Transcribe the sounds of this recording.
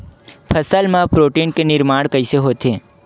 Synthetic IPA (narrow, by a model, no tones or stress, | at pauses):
pʰəsəlmãpɾoːʈiːnkenɪɾmaːɽkəɪseɦoːt̪eː